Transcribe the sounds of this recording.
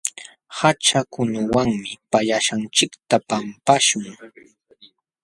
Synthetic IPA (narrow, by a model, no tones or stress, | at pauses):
hat͡ʃakʊnʊwaŋmɪpaʎaʃant͡ʃɪkt̪apampaʃʊŋ